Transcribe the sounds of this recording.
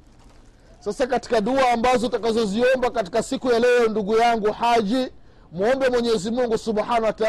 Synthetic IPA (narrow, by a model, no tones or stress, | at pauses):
sasakati̥kaɗuaːmbazɔtakazɔziɔmbakati̥kasikujalɛɔnduɡujaŋɡuhaʄi | m̩ɔmbɛmwɛɲɛɛzimuŋɡusuɓħanawata